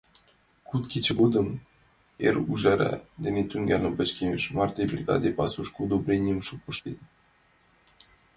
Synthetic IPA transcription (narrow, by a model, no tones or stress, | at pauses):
kut̪kʲit͡ɕɘ̆ɡud̪ɤ̆m | eruʒæɾæ̰d̪enʲet̪yŋɡʲælnɘ̆mpə̆t͡ɕkʲeeʃmɑrt̪ʲebrʲiɡɑ̰d̪epɑsuʃkud̪ubrʲenʲimʃuk̚puʃt̪et̪